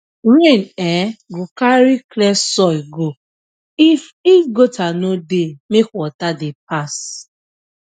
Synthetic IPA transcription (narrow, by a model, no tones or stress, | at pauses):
ɾẽnɛɡokaɾiklɛsɔiɡo | if | iɡotanodemekwɔtadep̚as